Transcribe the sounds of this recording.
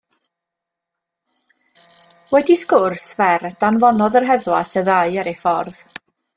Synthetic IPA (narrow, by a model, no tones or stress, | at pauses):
wɛdiskʊrsvɛrd̥anvɔnɔðərɦɛðwasəðaɨaɾefɔrð